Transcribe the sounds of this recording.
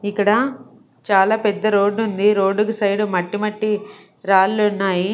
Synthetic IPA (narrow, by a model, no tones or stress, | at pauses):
ikːɐɽɐ | t͡ʃaːlaːpɛd̪ːɐɾo̞ːɖːund̪iɾo̞ːɖːukusɐjɽumɐʈːimɐʈːi | ɾaːllunːaːji